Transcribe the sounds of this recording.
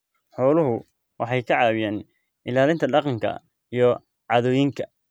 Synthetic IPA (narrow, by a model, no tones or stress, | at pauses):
ħɔːlʊɦʊ | wɑ̰ħɑjkʰɐʕɑːwɪjaːn | ʔɪlaːlɪnt̪ʰɐɖɑqɑŋkʰɐ̰ | ijɞ | ʕɑðɔjɪŋkʰɐ